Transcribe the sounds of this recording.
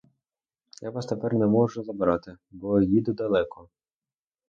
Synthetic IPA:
jaʋɑst̪epɛrnɛmɔʒʊzɐbɾɑt̪ɪ | bɔjid̪ʊd̪ɐlˠɛkɔ

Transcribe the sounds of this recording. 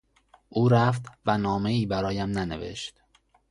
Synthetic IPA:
ʔuːɾæft̪vænɒːme̞iːbæɾɒːjæmnænḛvḛʃt̪

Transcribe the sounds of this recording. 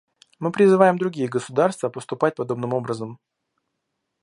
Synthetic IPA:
mɨpɾʲɪzɨvajɪmd̪ɾʊɡʲijəɡəsʊd̪arst̪vəpəst̪ʊpatʲpɐd̪o̞bnɨmo̞bɾəzəm

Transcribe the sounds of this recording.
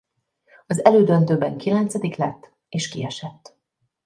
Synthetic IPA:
ɒzɛløːd̪ønt̪øːbɛŋkilɛnt̪sɛd̪iklɛt̪ː | eːʃkiɛʃɛt̪ː

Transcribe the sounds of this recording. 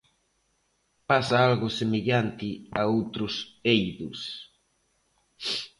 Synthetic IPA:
pasaalɣʊsemeʎant̪ɪaowt̪ɾʊsejðʊ̰s

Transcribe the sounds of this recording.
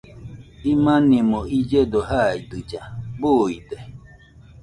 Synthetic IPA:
imanĩmɔid͡ʒɛdɔɦaidɨd͡ʒaboidɛ

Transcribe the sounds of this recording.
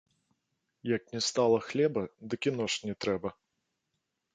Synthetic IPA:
jɐk̚nʲɛst̪alˠɐxlʲɛbɐd̪ɨkʲinɔʂnʲɛt̪ɾɛbɐ

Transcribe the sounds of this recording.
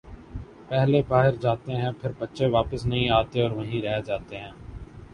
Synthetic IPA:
pɛɦlebaːɦɪɾd͡ʒaːt̪eɦɛ̃ːpʰɪɾbətːʃeʋaːpəsnɐɦĩaːt̪eɔːɾʋɐɦĩɾɛɦed͡ʒaːt̪eɦɛ̃ː

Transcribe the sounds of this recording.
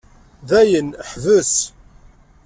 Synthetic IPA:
ðæjənħvəs

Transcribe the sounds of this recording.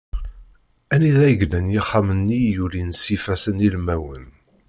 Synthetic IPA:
æniðæjɡlənjɪχːamənːijulinsifæsənilmæwən

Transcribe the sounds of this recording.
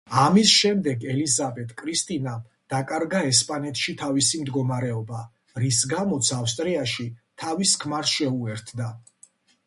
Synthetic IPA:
amisʃɛmd̪ɛɡɛlizabɛt̪ʼkʼɾist̪ʼinam | d̪̥akʼaɾɡaɛspʼanɛt̪ʰʼʃit̪ʰavisimd̪ɡɔmaɾɛɔba | ɾisɡamɔt̪sʰafst̪ʼɾiaʃit̪ʰaviskʰmaɾsʃɛuɛɾt̪ʰd̪a

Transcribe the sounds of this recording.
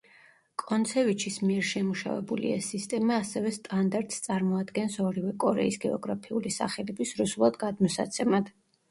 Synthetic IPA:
kʼɔnt̪sʰɛvit͡ʃʰismiɛɾʃɛmuʃa̰vɛ̰bulḭɛ̰sːist̪ʼɛmaːsɛvɛst̪ʼand̪aɾt̪ʼst̪sʼaɾmɔad̪ɡɛnsɔɾivɛkʼɔɾɛ̰isɡɛɔɡɾapʰiulisa̰χɛlɛbisɾusulˠad̪ɡad̪mɔsa̰t̪sʰɛmad̪̥

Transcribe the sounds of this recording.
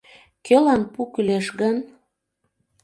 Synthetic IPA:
kølɑnpukyleʃɡən

